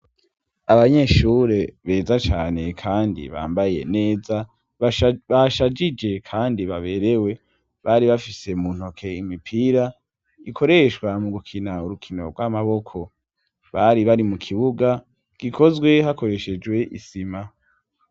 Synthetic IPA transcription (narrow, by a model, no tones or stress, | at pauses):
aβaɲe̞ʃuːɾe̞βe̞ːzat͡ʃaːne̞kʰaːndḭβa̰ːmbaje̞̰ne̞ːza | βaʃad͡ʒid͡ʒe̞kʰaːndiβaβe̞ːɾe̞we̞ | βaɾiβafise̞muːn̥ho̞kʰe̞imipʰiɾa | ikʰo̞ɾe̞ʃɡwamuɡukʰinauɾukʰino̞̰ɾɡwamaβo̞kʰo̞ | βaɾiβaɾimukʰiβuɡa | ɡ̥ikʰo̞zɡwe̞hako̞ɾe̞ʃe̞d͡ʒwe̞ʔḭsima